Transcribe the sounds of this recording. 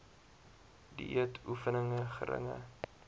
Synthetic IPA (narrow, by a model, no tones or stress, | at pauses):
diʔiətʰufənəŋəχə̰ɾə̰ŋə̰